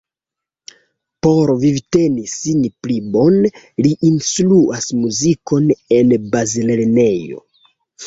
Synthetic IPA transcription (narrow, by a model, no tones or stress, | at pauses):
po̞ɾvivite̞nisinplibo̞n | liʔinsluʔasmuziko̞ne̞nbɾazilelene̞jo̞̰